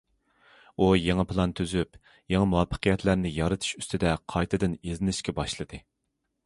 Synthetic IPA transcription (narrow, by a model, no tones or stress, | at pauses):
ujeŋɑpʰlˠɑnt̪ʰøzyp | jeŋɑmuwɑpʰːə̥qʰəjɛt̪ʰlæɾnɪjɑɾɨt̪ʰu̥ʃyst̪ʰɪd̪ɛqʰɑjt̪ʰɨd̪ɪnezɪnɪʃkʲɛbɑʃlˠɨd̪ɨ